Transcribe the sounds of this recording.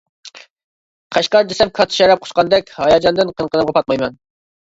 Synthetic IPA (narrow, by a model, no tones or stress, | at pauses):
qʰɑʃqɑɾd͡ʒ̪esɛmkʰɑt̪ʰɨ̥ʃɑɾɑp̚qʰʊ̥ʃqɑnd̪ɛkʲhɑjɑd͡ʒɑnd̪ɨnqʰənqʰənɨmʁɑpʰɑt̪̚mɑjmɛn